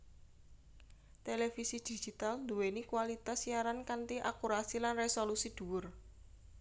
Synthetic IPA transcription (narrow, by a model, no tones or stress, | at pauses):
t̪elefisid̪̥i̥ʒ̥i̤t̪alnd̪uwenikuwalit̪asiaɾankant̪iʔakuɾasilanresolusid̪̥ṳwʊr